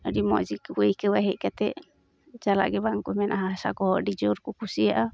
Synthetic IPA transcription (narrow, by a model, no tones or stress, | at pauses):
ɔdimɔ̰ʔd͡ʒikɛkəwaɦɛʔ̚kat̪ɛʔ | d͡ʒala̰ʔɡɛbaŋkumɛnʔaɦasa̰kɔɦɔʔɖid͡ʒɔɾkukusijaʔa